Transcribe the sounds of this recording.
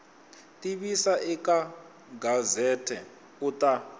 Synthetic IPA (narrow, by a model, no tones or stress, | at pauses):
tʼiɓisaʔika | ɡazɛtʰɛ | utʼa